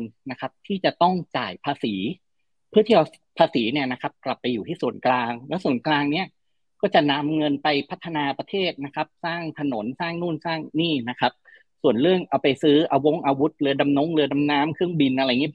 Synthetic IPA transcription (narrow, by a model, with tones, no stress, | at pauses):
nna˦˥kʰa˦˥p̚t̪ʰiː˥˩t͡ɕa˨˩t̪ɔ˥˩ŋt͡ɕa̰ː˨˩jpʰaː˧siː˩˦ | pʰɯ˥˩t̪ʰiː˥˩ʔa˧ | pʰaː˧siː˩˦ni˥˩ɐna˦˥kʰa˦˥p̚kla˨˩pːa˧jːuː˨˩t̪ʰiː˥˩su˨˩ənklaː˧ŋlɛː˦˥wsu˨˩ənklaː˧ŋni˦˥˩ɐ | kɔː˥˩t͡ɕa˨˩na˧mŋɤ˧npa˧jpʰa˦˥t̪ʰːa˧naː˧pɾa˧t̪ʰeː˥˩t̪̚na˦˥kʰa˦˥p̚saː˥˩ŋt̪ʰa˧no˩˦nsaː˥˩ŋnuː˥˩nsaː˥˩ŋniː˥˩na˦˥kʰa˦˥p̚ | su˨˩ənɾɯ˥˩əŋʔa˧wpa˧jsɯː˦˥ʔa˧wo˦˥˩ŋʔaː˧wu˦˥t̪̚lɯ˧ɐda˧mno˦˥ŋlɯ˧da˧mnaː˦˥mkʰɯ˥˩əŋbi˧nʔa˧ɾa˧jŋi˦˥